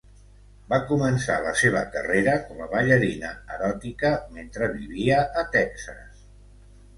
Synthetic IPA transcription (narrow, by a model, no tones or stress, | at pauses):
bakumənsa̰ləseβ̞əkə̰reɾəkɔməβəʎəɾinəəɾɔt̪ikəment̪ɾəβiβiəʔət̪ɛksə̰s